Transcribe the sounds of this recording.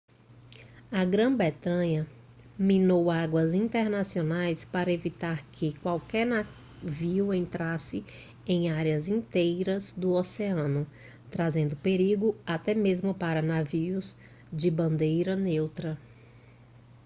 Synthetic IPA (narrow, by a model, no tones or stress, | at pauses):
ɐɡɾɐ̃bɛt̪ɐ̃ɲɐ | mĩnowaɡwɐzĩt̪eɾnasionajspaɾɐevit̪aɾkʰɪkwawkɛɾna | viwẽnt̪ɾasɪ | ẽj̃aɾjɐzĩnt̪ejɾɐzd̪ʊoseɐ̃nʊ | t̪ɾazẽnd̪ʊpeɾiɡʊat̪ɛmezmʊpaɾɐnaviʊz | d͡ʒɪbɐ̃nd̪ejɾɐnewt̪ɾɐ